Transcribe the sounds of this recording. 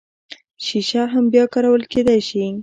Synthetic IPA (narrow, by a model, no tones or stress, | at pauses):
ʃiʃaɦambjɑkɑɾawəlked̪ajʃi